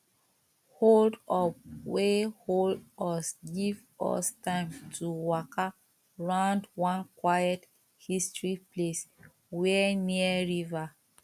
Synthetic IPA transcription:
holdɔp̚weholdɔsɡiv | ɔ̰stãɪ̃mtʰuwɔka | ɹãʊ̃ndwɔ̃nkwajɛt | histɹiples | wɛniəɹiva

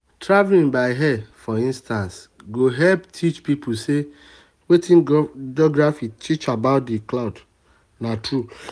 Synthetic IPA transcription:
tɹavlĩnbaɪɦɛfɔĩnstãns | ɡoɦɛlptʰit͡ʃpipʊse | wetĩnd͡ʒɔɡɾɹafitʰit͡ʃabaʊt̚diklaʊd | natɹu

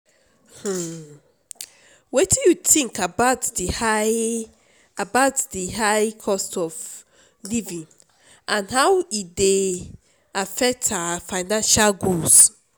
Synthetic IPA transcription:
h̩ | wetijutʰĩŋkabaʊtdiha | abaʊtdiɦaɪkʰɔstɔv | livĩŋ | ʔãnhawide | afɛk̚tʰafaɪnãnʃalɡols

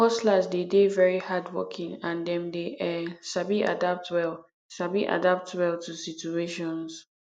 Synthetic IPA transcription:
ɔslazdedevɛɹihadwɔ̰kʰĩŋãndɛ̃mdeʔɛsabiʔa̰dap̚twɛl | sabiʔa̰dap̚twɛltʰusitueʃɔ̃ns

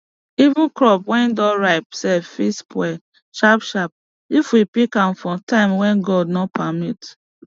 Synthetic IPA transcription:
ivũkɹɔpwɛ̃nidɔ̃ɹaɪp̚sɛfispwɛ | ʃapʃap̚ | ifwipikãmfɔ̃tãɪ̃mwɛ̃nɡɔd̚nɔpʰamit

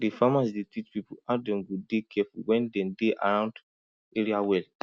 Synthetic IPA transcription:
defamasdetʰit͡ʃpipuadɛ̃nɡudekʰɛfṵwɛ̃ndɛ̃ndeʔa̰ɹãʊ̃nd | eɹiawɛl

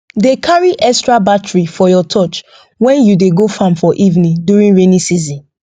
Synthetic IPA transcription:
dekʰaɹiʔɛkstɹabatɹifɔjɔtʰɔt͡ʃ | wɛ̃njudeɡofãmfɔʔivnĩdjuɹĩŋɹenisizĩn

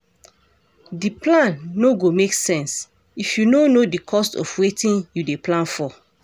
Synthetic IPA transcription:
diplãnːoɡomeksɛ̃ns | ifjunonodikʰɔstɔ̰fwetĩnjudeplãnfɔ

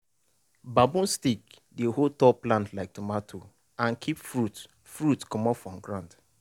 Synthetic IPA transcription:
babũnstik | deholtɔplãntlaɪk̚tumatʰo | ãnkʰipfɹut | fɹutkɔmɔpfɹɔ̃mɡɾãnd

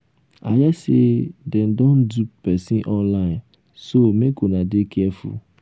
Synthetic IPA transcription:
ajɛsedɛ̃ndɔ̃nduppɛsĩʔɔ̃nlaɪ̃n | somekonãdekʰɛfṵ

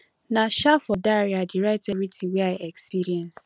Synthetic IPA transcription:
naʃafɔdaɾiadɪɾaɪteɾitʰiweaɪʔɛkspiɾiɛ̃ns

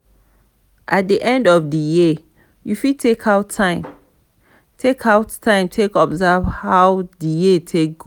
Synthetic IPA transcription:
ʔat̚diʔɛ̃ndɔfdəji | jufitʰekʰaʊtʰːãɪ̃m | tʰekʰaʊtʰːãɪ̃mtʰekɔbzavhaʊdəjitʰek̚ɡ̥o

